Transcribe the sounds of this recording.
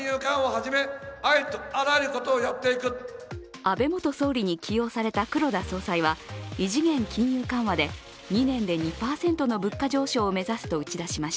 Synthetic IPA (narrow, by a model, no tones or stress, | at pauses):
jɯːkãɰ̃ohaʑime̞ait̪oaɾaeɾɯ̟ko̞t̪oːjat̪ːe̞ikɯ̟ | abe̞mo̞t̪o̞so̞ːɾʲiɲ̟ikʲʰijo̞ːsaɾe̞t̪akɯ̟ɾo̞d̪aso̞ːsaiβaiʑiɡẽ̞ŋkʲĩɰ̃jɯ̟ːkãɰ̃βad̪e̞ | ɲ̟inẽ̞nd̪e̞ɲ̟ipaːsẽ̞nt̪o̞no̞bɯ̟kːaʑo̞ːɕo̞ːme̞zasɨ̥t̪o̞ɯ̟t͡ɕid̪aɕimaɕi̥